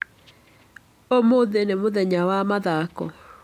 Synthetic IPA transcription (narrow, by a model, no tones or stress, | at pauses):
omoðenemoðɛɲawamaðakɔ̰